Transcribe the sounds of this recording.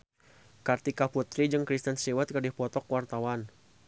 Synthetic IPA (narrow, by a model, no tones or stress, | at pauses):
kart̪ikaput̪ɾid͡ʒəŋkɾist̪ənsiwat̪̚kərdihpɔt̪ɔkwart̪awan